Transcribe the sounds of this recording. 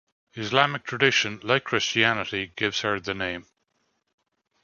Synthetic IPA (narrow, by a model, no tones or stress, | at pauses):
ɪzlamɪk̚tʰɹ̥ədɪʃə̃nlaɪkʰːɹ̥ɪst͡ʃianɪɾiɡɪvz̥hə˞ðənẽɪ̃m